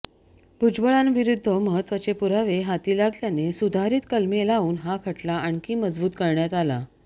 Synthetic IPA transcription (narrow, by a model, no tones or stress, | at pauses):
bʱud͡zbəɭãnʋiɾud̪ʱːəməɦət̪ːʋat͡ɕepuɾaʋeɦat̪iːlaɡljanesud̪ʱaɾiːt̪kəlmelaʋuːnɦakʰəʈlaʔaɳkiːməd͡zbuːt̪kəɾɳjat̪ala̰